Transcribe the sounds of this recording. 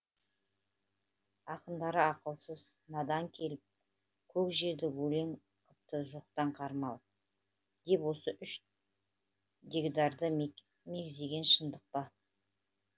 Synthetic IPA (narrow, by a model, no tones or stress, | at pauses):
ɑqənd̪ɑɾəɑqəlˠsəznɑd̪ɑŋkʲʰe̞lɪp̚ | kʲʰɵkʒe̞ɾd̪ɪwɵle̞ŋ | qʰəp̚t̪əʒoq̚t̪ɑɴqʰɑɾmɑlˠ | d̪̥e̞pwo̞səʔʏʃ | d̪ʲeɡd̪ɑɾd̪ə | me̞ɡʲzd̪e̞ɡʲe̞nʃənd̪əq̚pɑ